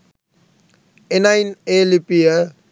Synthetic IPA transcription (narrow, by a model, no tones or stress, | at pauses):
enajnelipijə